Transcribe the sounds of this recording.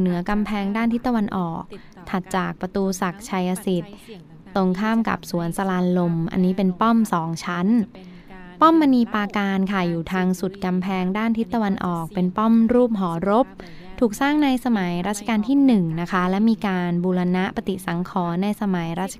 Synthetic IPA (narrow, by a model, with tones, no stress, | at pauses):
nɯ˨˩˦ɐka˧mpʰɛː˧ŋdaː˥˩nt̪ʰi˦˥t̪ːa˧wa˧nʔɔ̰ː˨˩k̚ | t̪ʰa˨˩t̪̚t͡ɕaː˨˩k̚pɾa˧t̪uː˧sa˨˩k̚t͡ɕʰa˧jʔa˧si˨˩t̪̚ː | o˧ŋkʰaː˥˩mka̰˨˩p̚su˨˩˦ənsa˧laː˧nlo˧mʔa̰˧nːiː˦˥pe˧npɔ˥˩msɔː˩˦ŋt͡ɕʰa˦˥n | pɔ˥˩mːa˧niː˧paː˧kaː˧nkʰa˥˩juː˨˩t̪ʰaː˧ŋsu˨˩t̪̚ka˧mpʰɛː˧ŋdaː˥˩nt̪ʰi˦˥t̪ːa˧wa˧nʔɔː˨˩k̚pe˧npɔ˥˩mɾuː˥˩p̚ɦɔː˩˦ɾo˦˥p̚ | t̪ʰuː˨˩k̚saː˥˩ŋna˧jsa˧ma˩˦jɾa˦˥t̪̚t͡ɕʰa˧kaː˧nt̪ʰiː˥˩nɯ˨˩ŋna˦˥kʰa˦˥lɛ˦˥miː˧kaː˧nbuː˧la˧na˦˥ʔpa˧t̪i˨˩sa˩˦ŋkʰɔː˩˦na˧jsa˧ma˩˦jɾaː˥˩t̪̚t͡ɕʰa